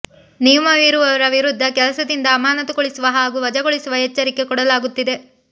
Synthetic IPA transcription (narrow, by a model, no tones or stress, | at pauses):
nijɐmɐʋiɾuʋɐʋɐɾɐʋiɾud̪ʱːɐkɛlɐsɐd̪ind̪ɐːmaːnɐt̪uɡoɭisuʋɐɦaːɡuːʋɐd͡ʒɐɡoɭisuʋɐɦɛt͡ʃːɐɾikːe̞kɔɽɐlaːɡut̪ːid̪e̞